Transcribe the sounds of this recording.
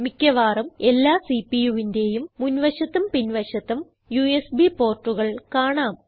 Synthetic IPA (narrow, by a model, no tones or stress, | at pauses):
mikʲːɐʋaːrɐme̞lːaːsipijuʋinde̞ːjumːunʋɐɕɐt̪ːɐmpinʋɐɕɐt̪ːɐm | juesbipo̞ːrʈːuɣɐɭkaːɳaːm